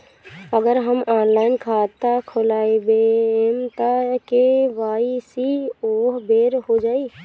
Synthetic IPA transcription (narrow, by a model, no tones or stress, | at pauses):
əɡəɾɦəmɔːnlaːɪnkʰaːt̪akʰolaːibeemt̪əkeʋaːisioːɦbeːɾɦod͡ʒaːi